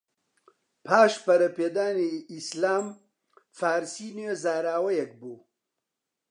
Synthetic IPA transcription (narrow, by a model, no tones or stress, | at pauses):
pʰaːʃpɐɾɐpeːd̪aːniislaːm | faːɾsiːnwezaːɾaːwɐjɐk̚buː